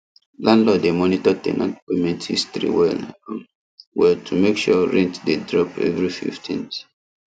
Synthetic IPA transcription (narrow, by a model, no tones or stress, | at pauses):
lãndlɔdemɔnitɔtɛ̰nɔ̰tpemɛ̃ntḭstɹḭwɛl | wɛtʰumekʃɔɹɛ̃ntdedɹɔpɛ̰vɹifḭftʰḭ̃nt